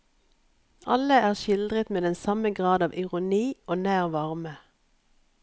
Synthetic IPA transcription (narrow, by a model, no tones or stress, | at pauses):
ɑləæːʁʃɪld̪ʁət̪meːd̪ɛnsɑməɡʁɑːd̪ɑːʋʔɪʁʊniːʔoːnæːʁʋɑʁmə